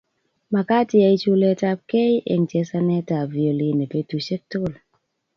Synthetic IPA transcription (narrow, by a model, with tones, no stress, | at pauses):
ma˨ka˦tɪ˦a˨˦i˦t͡ʃu˦le˦ta˦p̚ke˦jʔɛ̰˨ŋtjɛ˦sa˦nɛ˦ta˨vi˨o˨li˦ne˨pe˦tu˨ʃe˦k̚tʊ˦˨l